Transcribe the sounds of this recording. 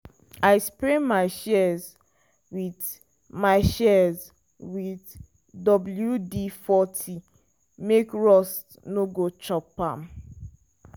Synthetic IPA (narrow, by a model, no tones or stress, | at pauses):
aɪspɹemaɪʃɛz | wid | maɪʃɛz | wid | dɔbl̩judifɔtʰi | mekɹɔst | noɡot͡ʃɔpãm̩